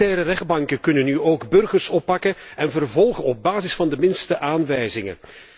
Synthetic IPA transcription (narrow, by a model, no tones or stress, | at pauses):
ɛːɾərɛχd̚bɑŋkəkɵnənːyoːɡbɵrɣərsɔpːɑkəɛnvərvɔlˠɣənɔb̚baːzɪsfɑndəmɪnstəʔaːnʋɛjzɪŋə̰